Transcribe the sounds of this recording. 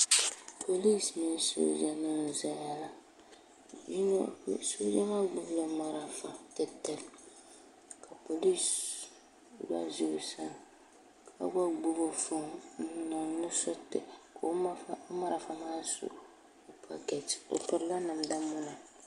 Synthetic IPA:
pʰo˨li˦smi˦n˦so̰˦d͡ʒa˨na˦n˨za˦ja˦la˨ | d͡ʒi˦n̰˦˨so˦d͡ʒa˦ma˦ɡ͡bu˦ɡla˦ma˨ɾa˨fã˨kɛ˦tɛ˦l | ka˨po˨li˦s | wa̰˦zi˦u˨sã˨ | ka̰˦ɡa˦ɡ͡bu˦ɡo˦fɔ̃˨˦na˨nu˦sɔ˦tɛ̰˨kʰo˨˦ma˦fa˦a˦ma˦ɾa˨fa˦ma˦so̰˨ | o˨pʰa̰˦˨ɡɛ˨to̰˨pi˨ɾla˦nã˨m˨da˦mũ˨na˨

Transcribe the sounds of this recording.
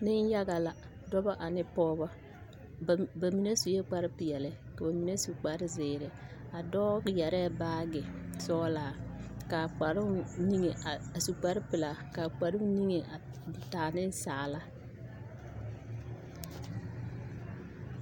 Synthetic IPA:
nɪ˦n˦ja˦ɡa˨la˨ | dɔ˦bɔ˦ʔa˨nɪ˦pɔː˦bɔ˦˨ | ba˨mi˨ne˦su˨je˦k͡pa˦ɾɪ˦pɪ˨jɛ˨lɪ˨ka˨ba˨mi˨ne˦su˨k͡pa˨ɾɪ˦zɪː˨ɾɪ˨a˨dɔ˦ɾjɛ˨ɾɛː˦˨baː˦ɡɪ˨sɔː˦laː˨ka˨k͡pa˨ɾʊ˦ni˦ŋe˨a˨su˨k͡pa˨ɾɪ˦pɪ˨la˨ka˨k͡pa˨ɾʊ˦ni˦ŋe˨ʔa˨taː˨nɪ˦n˦saː˨la˦

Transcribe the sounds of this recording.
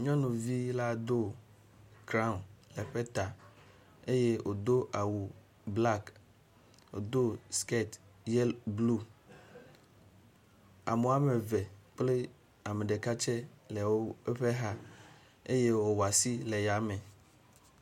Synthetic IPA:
ɲɔ̃˦nũ˨vi˦la˦d̪o˦ | kɾã˦˨nlɛ˨ɸɛ˦t̪a˨ | e˦je˦wʔo˨d̪o˦ʔa˨wu˨ | bla˦k | o̰˨d̪o˦ske˦˨t̪jɛ˦lblu˦ | a̰˨mõ˨a˦me˨vɛ˨k͡ple˦ | a˨me˨ɖe˨ka˦t͡ʃɛ˦lɛ˨wo˦ɛ˦ɸɛ˦ɦa˦ | e˦je˦wo˨wa˨si˦lɛ˨ja˨mɛ̃˨

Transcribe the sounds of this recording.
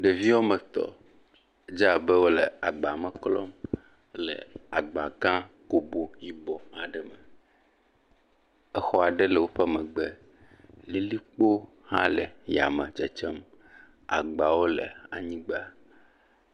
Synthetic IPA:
ɖe˨vi˦wo˦mə̃˨t̪ɔ̰˨˦ | d͡ʒa˨be˦wo˦lə˨a˨ɡ͡ba˨mə̃˨klɔ˦m | lə̰˨a˨ɡ͡ba˨ɡã˦ko˨bo˨ji˨bɔ˨ha˨ɖɛ˦mə˨ | ɛ˦xɔ˦a˨ɖe˦lə˨wo˦ɸɛ˦mɛ̃˨ɡ͡be˦ | li˦li˦k͡po˦ | hã̰˦lɛ˨ja̰˨mə̃˨d͡ʒɛ˨t͡ʃɛ˦m | a̰˨ɡ͡ba˨wo˦lə̰˨a̰˨ɲĩ˦ɡ͡be˦a˨

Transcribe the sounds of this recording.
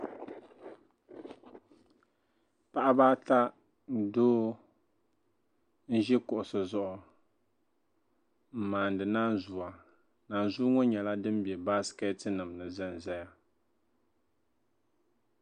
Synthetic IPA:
pa˦ʔa˦baː˦ta˦ | n̩˦doː˦ | n̩˦ʒɛ˦kʊ˨ʔʊ˨sɨ˨zɔ˦˨ʔʊ˨ | m̩˨maː˨n̩˨dɨ˨naː˦n˦˨zu˨a˨ | na˨n˨zu˦ŋɔ˦ɲɛ˨la˦dɨ˦m˦bi˨ɛ˨ba˦skɛ˦tɨ˦nɨ˨mnɨ˨zɨ˦n˨zɛ˦ja˨

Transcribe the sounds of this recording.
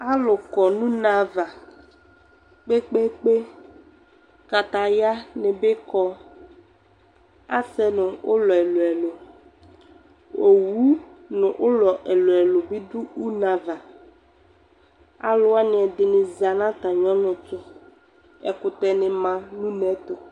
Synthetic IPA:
a˦lʊ˨kɔ˨nũ˦na˦va˨ | k͡pe˦k͡pe˦k͡pe˦ | ka˨t̪a˨ja˦nɪ̃˨bɪ˦kɔ˦ | a˦sɛ˦nʊ̃˨ʊ˦lɔ˨ɛ˨lo˨ɛ˨lo˨ | o˨wu˦nʊ̃˨ʔʊ˦lɔ˨ʔɛ˨lo˨ɛ˨lo˨bi˦d̪u˦u˦nã˨va˨ | a̰˦lʊ˦a˦nɪ˨ɛ˨d̪ɪ˨nɪ̃˨za˨nã˦t̪a˨ɲɔ̃˦nʊ̃˨tʊ˦ | ɛ̰˨kʊ˨t̪ɛ˨nɪ̃˨mã˨nũ˦nɛ˨˦t̪o˨

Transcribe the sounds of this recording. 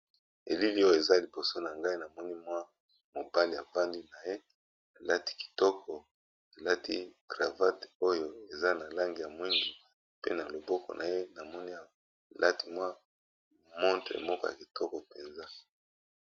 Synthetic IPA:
e˨li˦li˦o˦jo˨e˨za˦li˨bo˨so˦na˨ŋɡa˦i˦na˨mɔ˦ni˦mwa˦ | mo˨ba˦li˨ja˨va˦ndi˦na˨je˦ | na˨la˦ti̥˦ki̥˨tɔ˦kʰɔ˨ | na˨la˦ti˦ɡ̥ʁa˨va˦to˦jo˦e˨za˦na˨la˦ŋɡi˨ja˨mwi˦ŋɡi˨ | pe˦na˨lo˨bɔ˦kɔ̰˨nʔa̰˨je˦na˨mɔ˦ni˦a˨ | lʔa˦ti˦mwa˦ | mɔ˦ntʁḛ˨mɔ˦kɔ˦ja̰˨ki̥˨tʰɔ˦kɔ˨pe˨nza˦

